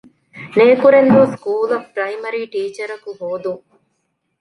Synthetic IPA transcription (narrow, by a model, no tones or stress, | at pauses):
neːkuɾend̪uːskuːlɐfpɾɐimɐɾiːʈiːt͡ʃɐɾɐkuɦoːd̪uŋ